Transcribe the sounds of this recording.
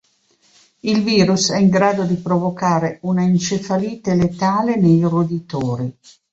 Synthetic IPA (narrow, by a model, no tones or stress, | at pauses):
ilviːɾusɛiŋɡɾaːd̪od̪ipɾovokaːɾeunaint͡ʃefaliːt̪elet̪aːlenejrud̪it̪oːɾi